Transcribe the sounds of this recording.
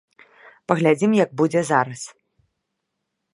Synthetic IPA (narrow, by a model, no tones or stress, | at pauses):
pɐɣlʲad͡zʲimjɐɡ̚bud͡zʲɛzaɾɐs